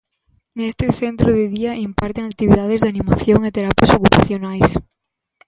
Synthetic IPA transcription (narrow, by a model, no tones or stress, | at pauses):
nest̪ɪθent̪ɾʊðɪðiɐʔimpaɾt̪eŋak̚t̪iβiðaðɪzðanĩmaθjoŋɪt̪eɾapjasokupa̰θjonajs